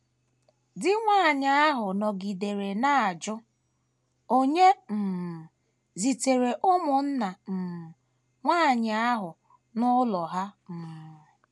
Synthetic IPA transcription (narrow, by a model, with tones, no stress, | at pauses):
dɪ˦ŋʷaː˦˨ɲa˦a˦ɦʊ˨nɔ˨ɡi˨de˨ɾe˨na˦˨a˨d͡ʒʊ˦ | o˦ɲe˦m̩˨m̩˨ | zi˨te˨ɾe˨ʔʊ˦mʊ˨n̩˦na˨m̩˨m̩˨ | ŋʷaː˦˨ɲa˨a˦ɦʊ˨ | nʊ˦lɔ˨ɦa˦m̩˨m̩˨